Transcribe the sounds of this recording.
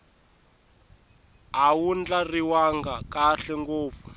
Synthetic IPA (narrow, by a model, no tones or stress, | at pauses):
awund͡ɮariwaŋɡakaɬɛŋɡoːp̪fu